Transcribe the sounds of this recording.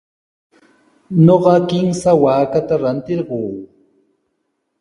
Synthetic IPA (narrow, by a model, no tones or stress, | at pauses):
ɲoɢɑkɪmsawaːkat̪aɾant̪ɪɾɢoː